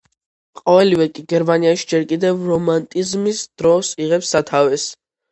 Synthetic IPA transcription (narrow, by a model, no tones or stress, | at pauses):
qʼɔvɛlivɛkʼiɡɛɾmaniaʃi̥d͡ʒɛɾkʼid̪ɛvɾɔmant̪ʼizmisd̪̥ɾɔsiʁɛpsːat̪ʰavɛs